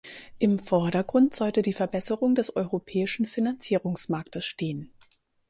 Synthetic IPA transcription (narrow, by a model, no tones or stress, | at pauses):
ʔɪmfɔɐɾɐɡʁʊntz̥ɔltədiːfɛɐbɛsəʁʊŋdɛsʔɔʏʁopʰɛːɪʃn̩finant͡siːʁ̞ʊŋsmaɐktəsʃteːən